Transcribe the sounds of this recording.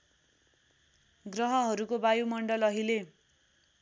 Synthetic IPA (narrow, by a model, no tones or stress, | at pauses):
ɡrʌɦʌɦʌɾukobajumʌɳɖʌlʌɦile